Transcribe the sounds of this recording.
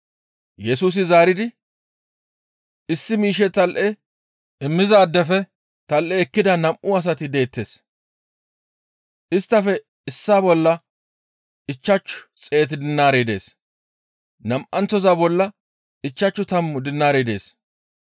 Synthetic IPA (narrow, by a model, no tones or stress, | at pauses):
jɛsuːs̬ɪzaːɾɪd̪ɪ | ɪsːɪmiːʃ̬ɛt̪ɐlʔɛ | ʔɪmːɪzɐːd̪ːɛfɛ | t̪ɐlʔɛɛkːɪd̪ɐnɐmʔʊɐs̬ɐt̪ɪd̪e̞ːt̪ːe̞ːs | ʔɪst̪ːɐfɛ | ɪsːaːbɔlːɐ | ɪt͡ʃːɐt͡ʃːʊ̥t͡sʼe̞ːt̪̬ɪd̪ɪnːaːɾed̪e̞̰ːs | nɐmʔɐnt͡sːɔzaːbɔlːɐ | ɪt͡ʃːɐt͡ʃːʊt̪ɐmːʊd̪ɪnːaːɾeːd̪e̞ːs